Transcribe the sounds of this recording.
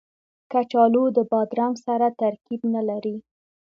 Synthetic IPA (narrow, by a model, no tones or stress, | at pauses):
kat͡ʃɑlod̪əbɑd̪ɾaŋsaɾat̪aɾkibnalaɾi